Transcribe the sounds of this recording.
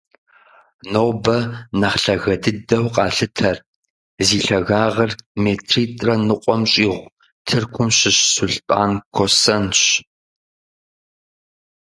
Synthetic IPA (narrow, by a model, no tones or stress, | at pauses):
noːbɐnɐχɬɐɣɐdɨdɐwqʼɑːɬɨtʰɐr | ziːɬɐɣaːʁɐrmeːtʰriːtʼrɐnɨqʷʼɔmɕʼiːʁʷ | tʰɨrkʷʰʊmɕɪɕsuɬtʼa̰ːnkʰosɐnɕ